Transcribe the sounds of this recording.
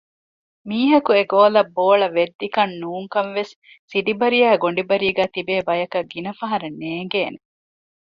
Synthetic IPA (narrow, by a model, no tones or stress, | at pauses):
miːɦɐkueɡoːlɐbːoːɭɐʋed̪ːikɐnːuːŋkɐnʋesː | iɖibɐɾijɐːɡoɳɖibɐɾiːɡæːt̪ibeːbɐjɐkɐɡinɐfɐɦɐɾɐnːeːŋɡeːne